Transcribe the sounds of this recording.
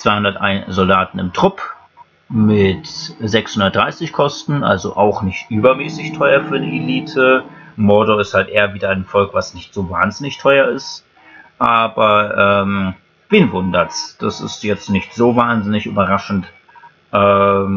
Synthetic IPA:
t͡sv̥aɪhʊndɐtʔa̰ɪnzɔldaːtn̩ɪmtʁ̥ʊp | mɪtzɛkshʊndɐt̚d̥ʁaɪsɪçkʰɔstn̩ʔa̰lzoʔaʊxnɪçtʔyːbɐmɛːsɪçtʰɔʏɐfyːɐnieliːtʰəmɔɐdoɪsthaltʔeːɐviːdɐaɪnfɔlkv̥asnɪçtz̥oːvaːnzɪnɪçtʰɔʏɐɪst | ʔaːbɐʔɛːm | v̥ɪːnvʊndɐt͡sd̥asɪ̰stjɛt͡stnɪçtz̥oːvaːnzɪnɪçy̰ːbɐʁaʃn̩t | ʔɛːm

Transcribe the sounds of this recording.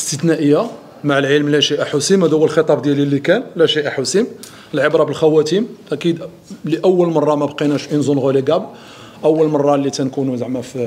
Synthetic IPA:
əst̪ət̪næʔəjːa | maʕəlʕəlmlæʃiʔæħusimhæd̪æwəlxət̪ˤɑbd̪jælilːikænlæʃiʔaħusim | əlʕəbɾˤɑbəlxæwæt̪imʔækid̪ | liʔəwːəlmɑrˤːɑmæbqinæʃʔinzunɣoliɡæb | ʔəwːəlmɑrˤːɑlːit̪ænkunuzaʕmæf

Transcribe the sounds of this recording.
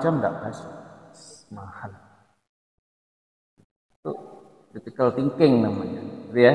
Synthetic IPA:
t͡ʃamda̰ʔbassəmahal | t̪u | dit̪ikalt̪iŋkɛŋnamaɲadia

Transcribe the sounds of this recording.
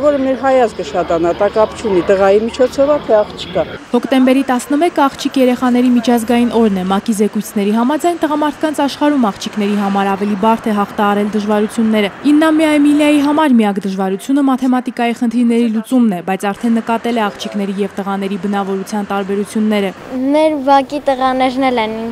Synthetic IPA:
vɔɾəmɛɾɦɑjɑzɡəʃɑt̪ɑnɑt̪ɑkɑpt͡ʃʰunit̪əʁɑjimit͡ʃʰɔt͡sʰɔvɑt̪ʰɛɑχt͡ʃʰi̥kɑhɔkt̪ɛmbɛɾit̪ɑsnəmɛkəɑχt͡ʃʰikjɛɾɛχɑn̪ɛɾimit͡ʃʰɑzɡɑjinʔɔɾnɛmɑkizɛkujt͡sʰnɛɾiɦɑmɑd͡zɑjnt̪əʁɑmɑɾt̪ʰkɑnt͡sʰɑʃχɑɾumɑχt͡ʃʰiknɛɾiɦɑmɑɾɑvɛlibɑɾt̪ʰɛɦɑχt̪ʰɑɦɑɾɛld̪əʒvɑɾut͡sʰjunːɛɾəinːɑmiɑjɛmiljɑjiɦɑmɑɾmiɑkd̪əʒvɑɾut͡sʰjunəmɑt̪ʰɛmɑt̪ikɑjiχənt̪ʰiɾnɛɾilut͡sumnɛbɑjt͡sʰɑɾt̪ʰɛnːəkɑt̪ɛlɛɑχt͡ʃʰikn̪ɛɾijɛvt̪əʁɑnɛɾibənɑvɔɾut͡sʰjɑnt̪ɑɾbɛɾut͡sʰjunːɛɾəmɛɾvɑkit̪əʁɑnɛɾnɛlɛnin

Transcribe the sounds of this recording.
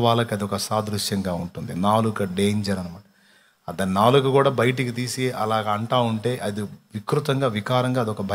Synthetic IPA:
ʋaːlɐkɐd̪iɔkɐsaːd̪ɾuʂjɐŋɡaːuɳʈund̪inaːlukɐɖeːɲd͡ʒɐɾɐnumɐːʈɐ | ɐd̪ɐnnaːlukukuːɽaːbɐjɐʈ̬ikit̪̬iːsiʔɐlaːɡɐɐɳʈaːuɳʈe̞ːʔɐd̪iʋikɾut̪ɐŋɡaːʋikaːɾɐŋɡaːd̪iɔkɐbʱɐ

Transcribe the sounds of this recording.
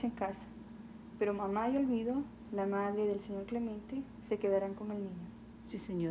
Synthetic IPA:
eŋkasḁ | peɾomamajo̞lβiðo̞ | lamaðɾeðe̞lseɲo̞ɾkle̞mẽnt̪e | se̞ke̞ðaɾaŋkoŋe̞lnĩɲo | siseɲo

